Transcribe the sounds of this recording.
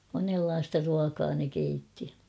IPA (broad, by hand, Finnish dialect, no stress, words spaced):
monelːɑːstɑ ruɑkɑː ne keitːi